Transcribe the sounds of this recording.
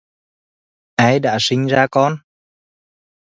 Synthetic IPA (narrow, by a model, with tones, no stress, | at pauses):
ʔaː˧jɗa̰ː˧˥sï˧ŋ̟zaː˧kɔ˧n